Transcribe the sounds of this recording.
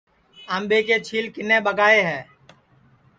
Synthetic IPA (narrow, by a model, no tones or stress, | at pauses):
əmbeːkeːt͡ʃʰiːlkɪnːeːbəɡaːeːɦɛː